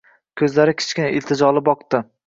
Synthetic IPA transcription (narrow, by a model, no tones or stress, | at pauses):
kʲʰɵzlaɾɪkʲʰɪ̥t͡ʃkʲɪnaʔɪlt̪ʰɪd͡ʒɒlˠɪbɒqt̪ɪ